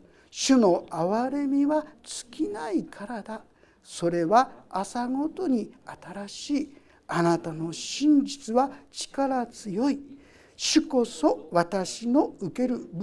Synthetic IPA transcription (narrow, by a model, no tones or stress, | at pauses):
ɕɨno̞aβaɾe̞mʲiβat͡sɨ̥kʲinaikʰaɾad̪a | so̞ɾe̞βaːsaɡo̞t̪o̞ɲ̟iat̪aɾaɕiː | anat̪ano̞ɕĩɲ̟d͡ʑit͡sɨβat͡ɕi̥kaɾat͡sɨjo̞i | ɕɨko̞so̞βat̪aɕino̞ɯke̞ɾɯ̟b